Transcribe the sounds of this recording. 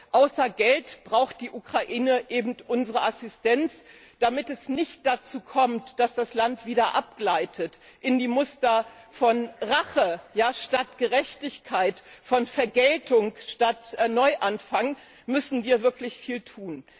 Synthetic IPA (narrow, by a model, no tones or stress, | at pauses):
ʔaʊsɐɡɛltb̥ʁaʊxt̚d̥iːʔukʁ̥aʔiːnəʔeːbm̩tʔʊnzəʁəʔasɪstɛnt͡s | d̥amɪtɛsnɪçt̚d̥at͡suːkʰɔmtd̥asd̥aslantv̥iːdɐʔap̚ɡ̥laɪtʰət | ʔɪndiːmʊstɐ | fɔnʁaχəjaːʃtatɡ̥əʁɛçtɪçkʰaɪtfɔnfɛɐɡɛltʊŋʃtatnɔʏʔanfaŋ | mʏsn̩viːɐvɪɐklɪçfiːltʰuːn